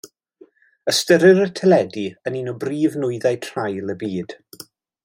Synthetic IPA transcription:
əstəɾɨɾətʰɛlɛdiəninɔbriːvnʊjðajtʰrajlˠəbiːd̥

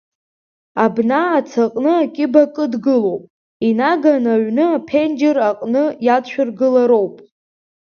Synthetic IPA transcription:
abnaːt͡sʰaqʼnɨakʲʼɪbakʼɨdɡɨlo̞wpʼ | inaɡanaɥnɨapʰend͡ʒeraqʼnɨjatʃʷᶣarɡɨlaɾo̞wpʼ

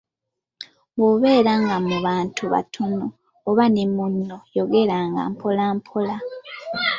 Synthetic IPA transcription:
βoβe̞ːɾaŋɡamuβaːntʰuβa̰tʰonoː | βanemunːojoɡe̞ɾaŋɡa̰mpʰolaːmpʰola

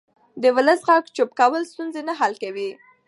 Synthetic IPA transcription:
d̪əwʊləsɣaɡt͡ʃopkawəlst̪unzenaɦalkawi

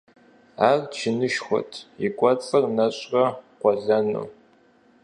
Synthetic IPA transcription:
aːrt͡ʃʰɪnɨʃxʷɔ̰tʰjɪkʷʼɔt͡sʼɐrnɐɕʼrɐqʷɔɮɐnṵː

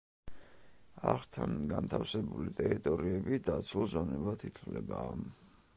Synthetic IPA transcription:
aʁt̪ʰanɡant̪ʰafsɛbulit̪ʼɛɾit̪ʼɔɾiɛbid̪at̪sʰulzɔnɛbat̪ʰit̪ʰvlɛ̰baː

